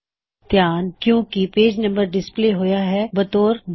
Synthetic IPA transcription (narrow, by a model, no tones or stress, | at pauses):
t̪jaːnkjõːkipeːd͡ʒnɐ̃mbəɾɖɪspleːɦoːjaɦɛbɐt̪oːɾb